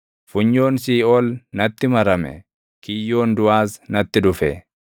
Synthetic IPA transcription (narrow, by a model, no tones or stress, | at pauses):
fʊɲːo̞ːnsiːʔɔlnɐt̪ːɪmɐɾɐmɛ̰ | kɪjːo̞ːnd̪ʊaːsnɐt̪ːɪd̪ʊfɛ̰